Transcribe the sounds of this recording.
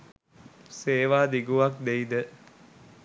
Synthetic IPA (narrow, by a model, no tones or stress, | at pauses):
seːʋaːd̪iɡuʋak̚d̪eid̪ə